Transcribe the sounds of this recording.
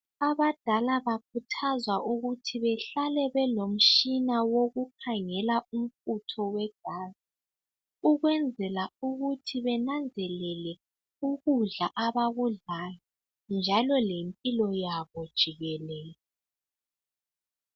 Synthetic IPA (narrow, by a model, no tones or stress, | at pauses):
aβad̥ʱalaβak̚ʰutʰazwaʔuɣutʰiβɛɬalɛβɛlom̩ʃinawoɣukʰaŋɛlaum̩kutʰɔwɛɡ̥ʱaːzi | uɣwɛnd͡zʱɛlauɣutʰiβɛnand͡zʱɛlɛlɛ | uɣuɮaʔaβaɣuɮaːjɔ | nd͡ʒʱalɔlempʼilɔjaβɔd̥ʒ̥ʱiɣɛlɛːlɔ